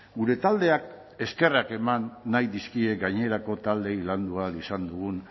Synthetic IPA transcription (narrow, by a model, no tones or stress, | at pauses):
ɡuɾe̞t̪ald̪e̞ak̚ | e̞ske̞rake̞manːajðiskie̞ɡajɲe̞ɾako̞t̪ald̪e̞jland̪ualisand̪uɣun